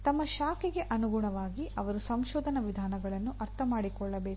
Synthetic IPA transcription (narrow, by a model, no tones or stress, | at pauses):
t̪ɐmːɐʃaːkiɡe̞ʔɐnuɡuɳɐʋaːɡiɐʋɐɾusɐmʃɔːd̪ʱɐnɐʋid̪ʱaːnɐɡɐɭɐnːuʔɐɾt̪ʰɐmaːɽikɔɭːɐbe̞ː